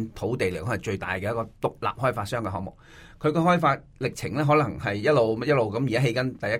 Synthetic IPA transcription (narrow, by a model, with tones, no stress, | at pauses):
nt̪ʰo˨˥wt̪e˨jle˨˩kɔ˨˥ɐ˨˩t͡ʃɵ˧ɥt̪a̰ː˨jkɛː˧jɐ˥kːɔː˧t̪ʊ˨k̚la̰ː˨p̚ɦɔː˥jfaː˧t̚sœː˥ŋkɛː˧ɦɔː˨˥ŋmʊ˨k̚ | kʰɵ˨˧ɥkɔː˧hɔː˥jfaː˧t̚lɪ˨k̚t͡sʰɪ˨˩ŋlɛː˥ɦɔː˨˥lɐ˨˩ŋhɐ˨jːɐ˥t̚lo˨wm˥jɐ˥t̚lo˨wkɐ˨˥mjiː˨kaː˥ɦe˧jkɐ˥nt̪ɐ˨jɐ˥